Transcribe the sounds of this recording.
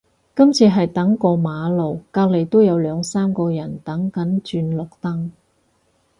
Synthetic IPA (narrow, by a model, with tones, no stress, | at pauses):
kɐ˥mt͡sʰiː˧ɦɐ˨jt̪ɐ˨˥ŋkɔː˧maː˨˧lo˨wkaː˧k̚le˨˩jt̪o˥wjɐ˨˧wlœː˨˧ŋsaː˥mkɔː˧jɐ˨˩nt̪ɐ˨˥ŋkɐ˨˥nt͡ʃyː˧nlʊ˨k̚t̪ɐ˥ŋ